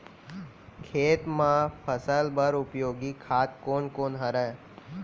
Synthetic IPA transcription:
kʰeːt̪mãpʰəsəlbəɾʊpjoːɡikʰaːt̪̚koːnkoːnɦəɾə

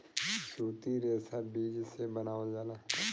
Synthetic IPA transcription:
ʃuːt̪iɾeːsabiːd͡ʒsebɐnaːʋad͡ʒaːla

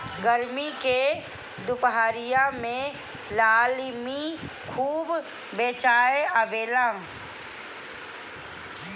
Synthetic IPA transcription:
ɡəɾmike | d̪ʊpɦaːɾijamẽ | laːlmi | kʰuːb | beːt͡ʃaːeəbeːlãː

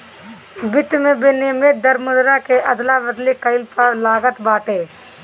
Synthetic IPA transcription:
bɪt̪mẽbenɪmet̪̚d̪əɾmʊd̪ɾakeʔɐd̪labəd̪likəɪlpalaːɡət̪baːʈeː

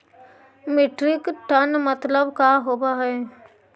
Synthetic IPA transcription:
mɪʈɾɪkʈənmət̪ləbkaɦoːbaɦɛː

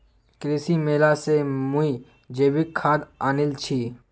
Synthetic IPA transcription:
kɾiːsimeːlasemui | d͡ʒeːbikʰːaːd̪aːnɪlt͡ʃʰiː

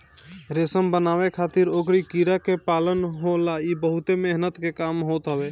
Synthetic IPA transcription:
ɾesəmbənaːwekʰaːt̪ɪɾokɾikiɾakepaːlənɦolaibəɦʊt̪emeɦnət̪kekaːmɦoːt̪ɦəbe

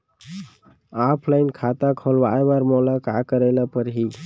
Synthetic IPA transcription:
apʰlajnkʰat̪akʰolʋaebaɾmɔlakakəɾelapəɾɦi

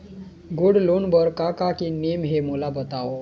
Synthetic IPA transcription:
ɡuɽlonbəɾkakakinemɦemulabət̪ao

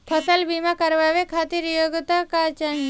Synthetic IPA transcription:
pʰəsəlbimakəɾʋaʋekʰat̪iɾjoɡt̪akat͡ʃaɦ

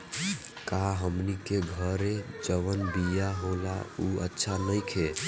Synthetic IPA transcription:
kaɦəmnikeɡʱəɾed͡ʒəʋənbijaɦola̰uə̰tːʃʰanəɪkʰe

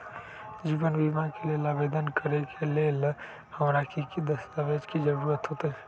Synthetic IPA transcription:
d͡ʒiːbənbimãkelelabed̪ənkəɾekʰelel | həmɾakikid̪əst̪aʋed͡ʒkid͡ʒəɾuːɾət̪ɦot̪eɦɛ

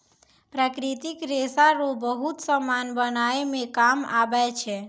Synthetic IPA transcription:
pɾəkɾit̪ikɾesaɾobəɦut̪səmanbənaemẽkama̰bat͡ʃʰe

